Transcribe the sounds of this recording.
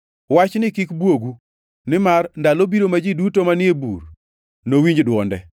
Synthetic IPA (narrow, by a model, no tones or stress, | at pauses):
wat͡ʃnɪkɪkbwoɡu | nɪmarndalobiɾomad͡ʒidutomanɪebṵr | nowiɲd͡ʒdwɔndɛ̰